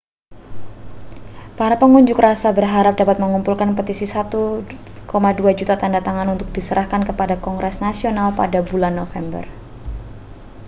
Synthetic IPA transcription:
paɾapəŋuɲd͡ʒʊkrasabərɦaɾap̚dapat̪̚məŋumpulkanpət̪isisat̪u | komaduad͡ʒut̪at̪andat̪aŋanunt̪ʊk̚disəɾahkankəpadakɔŋɡɾɛsnasionalpadabulanːofɛmbə̰r

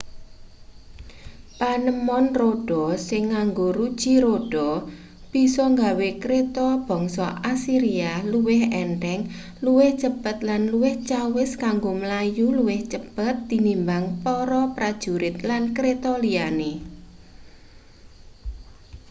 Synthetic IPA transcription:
panəmɔnroɖ̥ɔsɪŋːaŋɡoɾud̥ʒ̥i̤ɾoɖ̥ɔ | b̥i̤sɔŋɡawekɾet̪ɔb̥ɔ̤ŋsɔʔasiɾialuwɪhɛnʈ̪ɛŋ | luwɪht͡ʃəb̥ə̤t̪̚lanluwɪht͡ʃawɪskaŋɡoməlajuluwɪht͡ʃəb̥ə̤t̪ːinimbaŋpɔɾɔpɾad̥ʒ̥ṳɾɪt̪̚lankɾet̪ɔliane

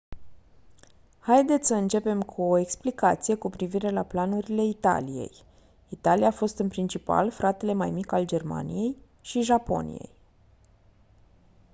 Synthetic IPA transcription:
hajd̪e̞t̪sʲsəɨnt͡ʃe̞pe̞mkʰuo̞eksplikat̪sije̞kupɾiviɾe̞laplanuɾile̞it̪a̰lije̞̰j | it̪alijaːfo̞st̪ɨnpɾint͡ʃipa̰lfɾat̪e̞le̞majmikald͡ʒe̞rma̰nḭje̞j | ʃiʒapo̞̰nḭje̞̰j

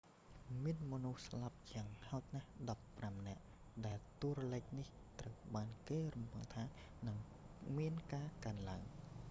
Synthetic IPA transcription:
miənmɔnuhslap̚t͡ɕaəŋhaɔt̪̚nahɗɑpːramnɛ̆əʔ | ɗaɛlt̪uərɔləc̚nih | t̪rəwɓaːnkeːrumpɨŋt̪ʰaːnɨŋ | miənkaːkaənlaəŋ

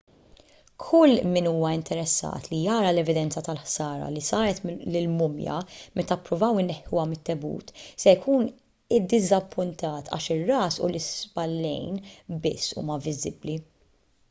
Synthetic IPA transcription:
kʰʊlːmɪnuːmɐɪnt̪ʰɛɾɛsːɐ̰ːt̪lijɐːɾɐlɛvɪd̪ɛnt͡sɐt̪ɐlħsɐːɾɐ̰lisɐːɾɛt̪lɪlmʊmjɐ̰mʔɛt̪ɐpːɾʊvɐwɪnːɛħːʊwɐmɪt̪ːɛbṵːt̪sɛjkʰuːn | ɪd̪ːɪzɐpːʊnt̪ɐːt̪ʰɐ̰ːʃɪrːɐːsʊ̰lɪspɐlːɛ̰jnbɪ̰sːṵːmɐvɪzɪbli

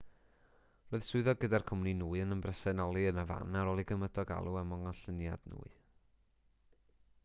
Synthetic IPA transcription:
roːɨðsʊɨðɔɡədarkʰʊmninuːɨənəmbrəsɛnɔlˠiənəva̰naɾoːlˠiɡəmədɔɡa̰lˠuɛmɔŋɔɬənja̰dnṵːɨ

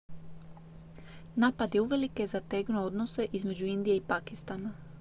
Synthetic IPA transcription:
naːpad̪je̞uʋe̞likezat̪e̞ɡnood̪nose̞ʔizme̞d͡ʑuind̪ijeipakist̪ana

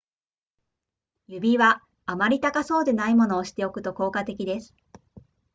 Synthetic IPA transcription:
jɯ̟bʲiβaː | maɾʲit̪akaso̞ːd̪e̞naimo̞no̞ːɕi̥t̪e̞o̞kɯ̟̥t̪o̞ko̞ːkat̪e̞kʲid̪e̞sɨ̥

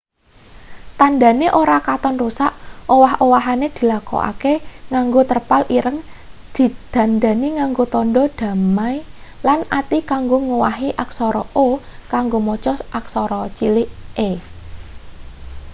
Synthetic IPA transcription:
t̪and̪a̤neʔoɾakat̪ɔnrusaʔowaɦʔowaɦaned̪̥i̤lakɔ̰ʔa̰keŋaŋɡot̪ərpalʔiɾəŋd̪̥i̤d̪̥a̤nd̪a̤niŋaŋɡot̪ɔnɖɔd̥ä̤majlanat̪ikaŋɡoŋuwaɦiʔaksɔɾɔ̰ʔokaŋɡomɔt͡ʃɔsak̚sɔɾɔt͡ʃilɪʔe

